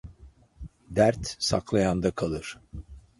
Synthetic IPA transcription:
d̪æɾt̪saklˠajand̪akʰalˠɯɾ̥

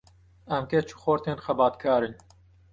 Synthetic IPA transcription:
ɛmket͡ʃʰu̥xoɾt̪eːnxɛbɑːt̪kʰɑːɾɨn

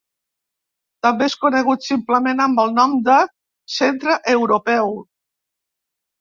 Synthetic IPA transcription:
t̪əmbeeskunəɣut̪simpləmenəmbəlˠnɔmd̪ə | sent̪ɾəʔəwɾupɛw

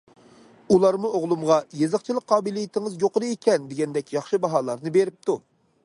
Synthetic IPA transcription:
ulˠɑɾmuoʁlˠumʁɑjezɨχt͡ʃʰilˠək̚qʰːɑːbɨlˠijit̪ʰɪŋɨzjoqəɾɨekʲʰɛnd̪eɡʲɛnd̪ɛkʲjɑχʃɨbɑɦɑːlˠɑɾnɨbeɾɪp̚t̪ʰu

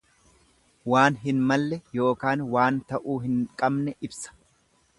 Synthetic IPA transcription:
waːnɦɪnmɐlːɛjo̞ːkaːnwaːnt̪ɐʔuːɦɪŋkʼɐbnɛʔɪbsɐ̥

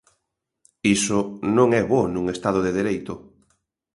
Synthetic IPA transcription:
isonõŋɛβonũŋest̪að̞oðeðeɾejt̪ʊ

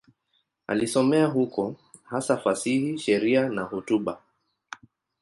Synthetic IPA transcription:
a̰lisɔmɛaɦukɔ | hasafasihiʃɛɾianahutuɓa

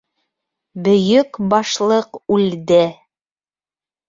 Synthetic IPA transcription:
bɵ̆jɵkbɑʃlˠɤqʉld̪ɘ

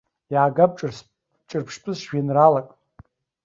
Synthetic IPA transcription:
jaːɡab̚ʈ͡ʂʼrs | ʈ͡ʂʼɨrpʰʂpʼɨzʃʒᶣinralakʼ

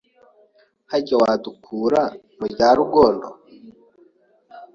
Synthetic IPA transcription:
haɟawadukʰuːɾa | muɟaːɾuɡo̞ːndo̰

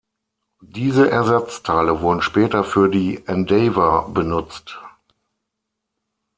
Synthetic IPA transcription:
d̥iːzəʔɛɐzat͡stʰaɪləvʊɐdn̩ʃpɛːtɐfyːɐdiːʔɛndevɐbənʊt͡st

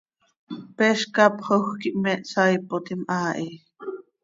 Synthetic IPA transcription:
pɛʃkɑpχoxkiʔmɛʔsaːjpot̪imʔaːʔi

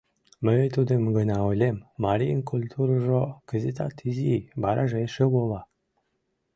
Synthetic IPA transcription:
məet̪ud̪əmɡənɑolʲemːɑɾʲijənkʰulʲt̪ʰuɾəʒoɡ̥əzet̪ɑt̪ʰizibɑɾʔɑʒeʃeβolˠɑ

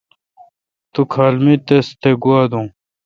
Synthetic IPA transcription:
t̪ukʰaːlmit̪est̪ʰeɡuaːd̪ũː

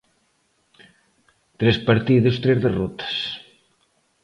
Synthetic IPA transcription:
t̪ɾespaɾt̪iðʊst̪ɾezðerɔt̪ɐ̥s

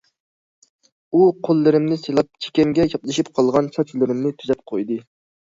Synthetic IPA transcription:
uqʰolˠːɪɾɪmnɪselˠɑp̚t͡ʃʰe̥kʲɛmɡʲɛjɑplˠɨʃipqʰɑlˠʁɑnsɑt͡ʃʰilɪɾɪmnɪt̪ʰyzɛp̚qʰojd̪ɨ

